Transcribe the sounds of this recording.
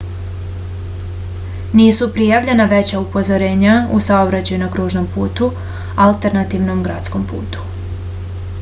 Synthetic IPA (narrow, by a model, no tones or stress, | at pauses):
niːsupɾijaʋʎe̞naʋe̞t͡ɕaupo̞zoɾe̞ːɲaṵsaobɾat͡ɕajunakɾuːʒno̞mpuːt̪u | alˠt̪e̞ɾnat̪iʋno̞mɡɾat̪sko̞mpṵːt̪u̥